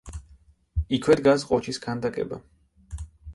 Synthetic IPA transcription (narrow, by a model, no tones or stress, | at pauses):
ikʰwɛd̪ɡasqʼɔt͡ʃʰiskʰand̪akʼɛ̰ba̰